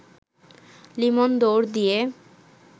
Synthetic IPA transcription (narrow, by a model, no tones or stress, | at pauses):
limond̪oɾd̪ije